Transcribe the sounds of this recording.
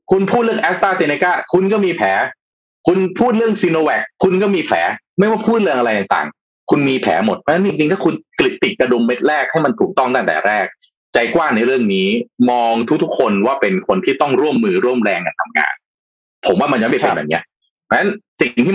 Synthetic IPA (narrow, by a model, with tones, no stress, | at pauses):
kʰu˧npʰuː˥˩ɾɯ˥˩əŋʔɛː˦˥s̚t̪aː˥˩si˧ne˧kaː˥˩kʰu˧nkɔː˥˩miː˧pʰɛː˩˦ | kʰu˧npʰuː˥˩t̪̚ɾɯ˥˩əŋsi˧noː˧wɛ˨˩kʰːu˧nkɔː˥˩miː˧pʰɛ̰ː˩˦ma˥˩jwa˥˩jpʰuː˥˩t̪̚lɯ˥əŋʔa˧ɾa˧jt̪aː˨˩t̪a̰ː˨˩ŋ | kʰu˧nmiː˧pʰɛ̰ː˩˦mo˨˩t̪̚pʰa˧˥na˦˥t͡ɕi˧ŋt͡ɕi˧ŋt̪ʰaː˥˩kʰu˧nkli˨˩t̪ːi˨˩k̚kːa˧du˧mːe˦˥t̪̚ɾɛː˥˩k̚ha˥˩jma˧nt̪ʰuː˨˩t̪ɔ˥˩ŋt̪aː˥˩t̪ɛ̰ː˨˩ɾɛː˥˩k̚ | t͡ɕa˧jkwaː˥˩ŋna˧jɾɯ˥˩əŋniː˦˥mɔː˧ŋt̪ʰu˦˥k̚t̪ʰu˦˥kʰːo˧nwaː˥˩pe˧nkʰo˧nt̪ʰiː˥˩t̪ɔ˥˩ŋɾu˥˩əmːɯː˧ɾu˥˩əmɾɛː˧ŋka˧nt̪ʰa˧mŋa̰ː˧n | pʰo˩˦mwaː˥˩ma˧njɔː˦˥pa˧˩e˧˨˩bɛ̰ː˨˩ni˦˥ɐʔ | pʰɔ˧na˦˥nsi˨˩ŋ˩ŋt̪ʰi˥˩